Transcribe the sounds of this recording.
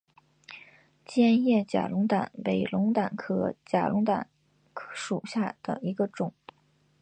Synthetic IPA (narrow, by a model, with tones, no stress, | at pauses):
t͡ɕjɛ˥˧njɛ˥˩t͡ɕja̰˨˩lʊ˧˥ŋt̪a̰˨˩npe˨˩ɪlʊ˧˥ŋt̪a˨˩nkʰɤ˧˥t͡ɕja̰˨˩lʔʊ˧˥ŋt̪a̰˨˩˦n | kʰʂu˨˩ɕja˥˩d̪̥ə̰˩i˧˥ɡə˧ʈ͡ʂʊ˨˩˦ŋ